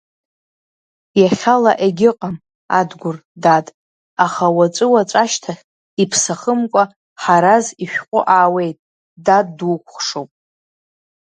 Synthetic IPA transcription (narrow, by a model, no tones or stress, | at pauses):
jaχʲalaʔeɡʲɪqʼam | a̰dɡʷʊrdatʼ | aχawat͡ʃʷʼɨwat͡ʃʷʼaʃtʰaχʲ | ipʰsaχəmkʷʼa | ħaɾaziʃᶣqʷʼʊ̰ʔaːwe̞jtʼ | daddukʷʰχʂowpʼ